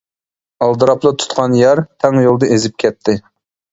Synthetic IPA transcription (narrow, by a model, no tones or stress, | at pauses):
ɑlˠd̪ɨɾɑplˠɑt̪ʰu̥t̪qʰɑnjæɾt̪ʰɛŋjolˠd̪ɨʔezɪp̚kʲʰɛt̪ʰːɪ